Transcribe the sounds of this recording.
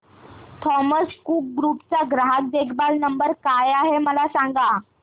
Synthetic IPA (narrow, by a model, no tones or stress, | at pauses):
t̪ʰɔməskuːk̚ɡɾupt͡saɡɾaɦak̚d̪ekʰbalnəmbəɾkajaɦeməlasaŋɡa